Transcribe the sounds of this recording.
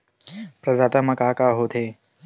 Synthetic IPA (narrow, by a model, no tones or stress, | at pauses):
pɾɐd̪aːt̪ɐmɐkaːkaːɦoːt̪ʰeː